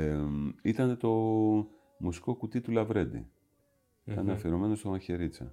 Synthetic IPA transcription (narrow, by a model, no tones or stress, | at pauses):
it̪ɐne̞t̪o̞ | musi̥ko̞kut̪it̪ulɐvɾe̞d̪ḭ | it̪ɐnɐfeɾo̞me̞no̞st̪omɐçe̞ɾit͡sɐ̰